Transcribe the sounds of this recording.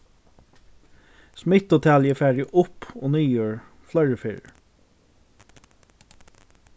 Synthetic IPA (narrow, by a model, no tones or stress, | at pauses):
smɪt̪ot̪ʰæljəfæːdɪʔʊpʰo̰ːnyːjøːɹ | flœʏɹəfḛːɹ̰